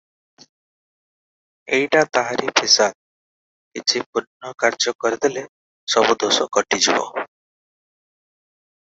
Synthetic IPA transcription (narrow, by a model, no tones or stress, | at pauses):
ejʈat̪aɦaɾipʰisad̪̚ | kit͡ʃʰipuɾnɔkaɾd͡ʒɔkɔɾid̪ele | sɔbud̪osɔkɔʈid͡ʒibɔ̰